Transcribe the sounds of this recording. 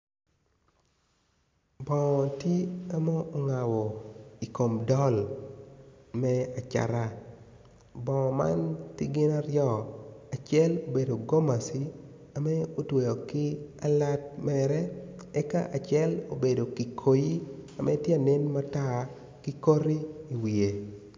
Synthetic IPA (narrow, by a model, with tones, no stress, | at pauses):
bɔ˨tje˦a˦moː˦ŋa˨wɔ˨i˨ko˨mdɔ˦l | mɛ˦a˨t͡ʃa̰˨ɾa˦ | bɔ̃˨ma̰˦ntɪ˦ɡɪ˦na˦ɾjɔ˦a˨t͡ʃjɛ˦lo˨be˨do˨ɡo˦ma˨si˦ | a˨mɛ˦o˦twe˨jo˨kɪ˦a˦la˦t̚mɛɾɛ˦ɛ˦ka˦ʔa˨t͡ʃjɛ˦lo̰˨be˨do˨ki˨kʰo˨ji˦a˨mʔɛ˦tje˦a˨nɪ˦nma˦ta˦ | kɪ˦ko˦ɾi˦i˨wi˨e˨